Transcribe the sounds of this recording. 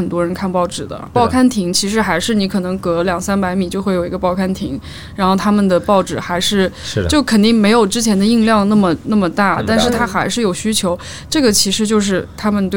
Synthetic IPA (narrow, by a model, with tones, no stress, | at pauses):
ə˨˩nt̪wɔ˥ɻə˧˥nkʰa˥˧npɑ˥˩ʊʈ͡ʂɻ̩˨˩d̪ə̰˦pɑ˥˧ʊkʰa˥nt̪ʰi˧˥ŋt͡ɕʰi˧˥ʂ̬ɻ̩˧˥xa˧˥ɪʂɻ̩˥˩ni˧˥kʰɤ˨˩nɤ˧˥ŋkɤ˧˥ljɑ˨˩ŋsa˥npa˧˥ɪmi˨˩t͡ɕjo˥˧ʊxwe˥˩ɪjo˨˩i˧˥ɡə˧pɑ˥˧ʊkʰa˥nt̪ʰi˧˥ŋ | ɻa˧˥nxo˥˩ʊt̪ʰa˥mə˨nd̪ə˩pɑ˥˩ʊʈ͡ʂɻ̩˨˩xa˧˥ɪʂɻ̩˥˩˥t͡ɕo˥˩ʊkʰə˨˩nt̪i˥˩ŋme˧˥ɪjo˨˩ʊʈ͡ʂɻ̩˥t͡ɕʰjɛ˧˥nd̪ə˧i˥˧ŋljɑ˥˧ŋna˥˩mə˩na˥˩mə˩t̪a˥˩t̪a˥˧nʂɻ̩˥˩t̪ʰa˥xa˧˥ɪʂɻ̩˥˩jo˨˩ʊɕy˥t͡ɕʰjo˧˥ʊ | ʈ͡ʂɤ˥˩ɡə˩t͡ɕʰi˧˥ʂɻ̩˧˥t͡ɕjo˥˧ʊʂ̬ɻ̩˥˩t̪ʰa˥mə˨nt̪we˥